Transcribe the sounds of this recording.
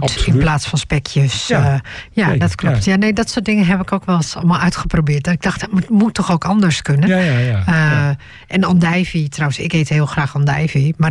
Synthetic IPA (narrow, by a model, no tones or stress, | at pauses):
ttɪnplaːtsfɔnspɛkʰjəs | jadɔtklɔptjaneːdɔtsoːt̚dɪŋəɦɛpɪkoːkʋɛlˠsɔlˠmalˠœɥtxəprobɪːtdɔtɪɡ̚dɔxtmmutʰːɔxoːkɔndəɹskønə | ʔɛnɔndɛjvitrɔwənsɪkethɪːlˠxraːxɔndɛjvima